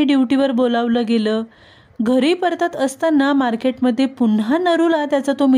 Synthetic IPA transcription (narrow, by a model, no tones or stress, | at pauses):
iɖjiʋʈiʋəɾbolaʋləːɡeləː | ɡʱəɾiːpəɾt̪at̪əst̪anːamaɾkeʈməd̪ʱːjepunɦanəɾuːlat̪jat͡sat̪omi